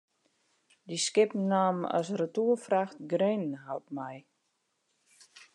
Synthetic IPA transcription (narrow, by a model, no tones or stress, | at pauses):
diskɪpnaːmɔ̰srətuəfraxtɡrenɦalt̚mɛj